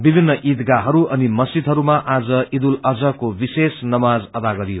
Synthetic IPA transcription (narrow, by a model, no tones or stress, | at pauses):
bibʱinːʌʔid̪ɡaɦʌɾuʔʌnimʌsid̪ʱɦʌɾumaʔad͡zʌid̪ulʌd͡zʌkobisesnʌmad͡zʌd̪aɡʌɾijo